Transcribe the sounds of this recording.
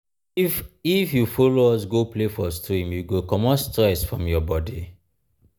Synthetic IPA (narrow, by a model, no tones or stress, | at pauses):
ifjufɔloɔs̬ɡoplefɔstʰɹĩmjuɡokɔmɔ̃stɹɛsfɹɔ̃mjɔbɔdi